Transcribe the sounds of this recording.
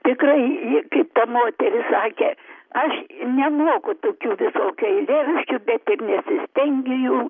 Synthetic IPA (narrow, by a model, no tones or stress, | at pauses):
t̪ʲɪkrɐɪjɪkɐɪpt̪ɐmoːt̪ʲɛɾʲɪsɑːkʲeɐʃnʲɛmoːkʊt̪oːkʲuːʋʲɪsoːkʲɐɪlʲeʋʲɪʃʲkʲubʲɛt̪ɪrnʲɛsʲɪsʲt̪ʲɛŋʲɡʲɪjuː